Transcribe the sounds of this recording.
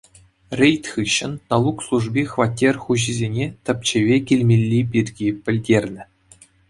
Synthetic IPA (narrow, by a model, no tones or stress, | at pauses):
rʲejt̪ʲχɯɕːɘ̆nnɑlˠukslˠuʐbʲiχʋɑtʲːerʲχuʑizʲenʲet̪ʲɘ̆p̚ʲt͡ɕeʋʲekʲilʲmʲelʲːipʲirʲɡʲipʲɘ̆lʲdʲerʲnʲɘ̆